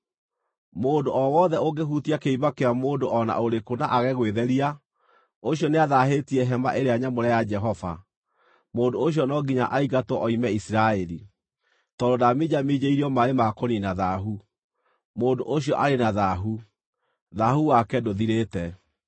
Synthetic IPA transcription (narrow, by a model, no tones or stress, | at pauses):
moːndoʔɔwɔðɛoɡeɦutiakeibakeɾamoːndoʔɔna̰oɾekonaʔaɣɛɣweðɛɾia | oɕjɔneaðaɦetiɛɦɛma̰ʔeɾeaɲamoɾɛjad͡ʒɛɦɔva̰ | moːdooɕjɔnɔɡiɲa̰ʔaiɣatwɔʔɔimɛisiɾaɛɾi | tɔdodamid͡ʑamid͡ʑeiɾiɔmaɾemakoninaðaɦu | moːndoʔoɕiɔʔaɾenaðaɦu | ðahuwakɛdoðiɾeːtɛ